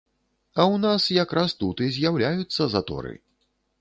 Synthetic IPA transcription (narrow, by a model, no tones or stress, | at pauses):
ɐwnasjakɾast̪ut̪ɨzʲjawlʲajut̪sːɐzat̪ɔ̰ɾɨ̰